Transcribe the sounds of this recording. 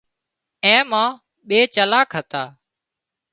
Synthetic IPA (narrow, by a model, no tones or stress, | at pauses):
ɛ̃ːmãː | ɓeːt͡ʃəlaːkʰɦət̪aː